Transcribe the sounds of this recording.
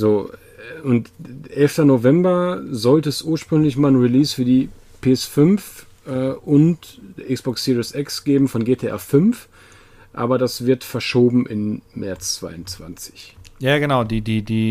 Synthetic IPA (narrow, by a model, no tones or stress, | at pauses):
zoː | ʊntʔɛlftɐnovɛmbɐzɔltəɛsʔuːɐʃpʁ̥ʏŋlɪçmaːlənʁiliːsfyːɐdiː | pʰeːɛsfʏnf | ʔɛːʔʊntːʔɪksb̥ɔksiːʁiəsʔɛksɡ̥eːbm̩fɔnɡeːtʰeʔɛ̰ɐfʏnf | ʔa̰ːbɐɾasv̥ɪɐtfɛɐʃoːbm̩ʔɪnmɛɐt͡st͡sv̥a̰ɪʊnt͡sv̥a̰nt͡sɪ̥çjaːɡənaʊdiːdiːdiː